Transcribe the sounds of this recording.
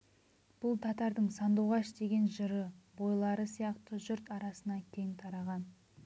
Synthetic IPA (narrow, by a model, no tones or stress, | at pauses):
b̥ʊlˠt̪ʰɑt̪ɑɾd̪əɴsɑnd̪uʁɑʃd̪e̞ɡʲe̞nʒəɾəbo̞jlˠɑɾəsijɑqt̪əʒʏɾt̪ɑɾɑsənɑkʲʰe̞ŋt̪ʰɑɾɑʁɑn